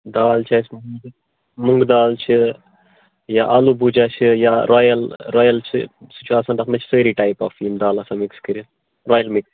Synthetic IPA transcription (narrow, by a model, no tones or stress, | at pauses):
d̪aːlt͡ʃʰaːsmɡ | muŋɡd̪aːlt͡ʃʰi | jaʔɐlubud͡ʒat͡ʃʰijaɾʔɔːjɐlɾɔːjɐlt͡ʃʰḭsi̥t͡ʃuaːsɐnɖɐkʰnɐt͡ʃʰi̥səːɾiʈaipaːfiːmd̪aːlɐsamikskəɾi | ɾɔːjɐlmiks